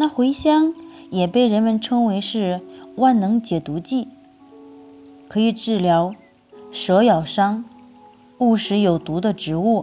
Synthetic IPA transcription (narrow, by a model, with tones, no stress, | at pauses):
na˥˩xwe˧˥ɪɕjɑ˥ŋjɛ˨˩pe˥˩ɪɻə˧˥nmə˧˨nʈ͡ʂʰɤ˥ŋwe˧˥ɪʂɻ̩˥˧wa˥˩nnɤ˧˥ŋt͡ɕjɛ˨˩t̪u˧˥t͡ɕi˥˩ | kʰɤ˧˥i˨˩ʈ͡ʂɻ̩˥˩ljɑ˧˥ʊ | ʂɤ˧˥jɑ˨˩ʊʂɑ˥ŋ | u˥˩ʂɻ̩˧˥jo˨˩ʊt̪u˧˥d̪ə˧ʈ͡ʂɻ̩˧˥u˥˩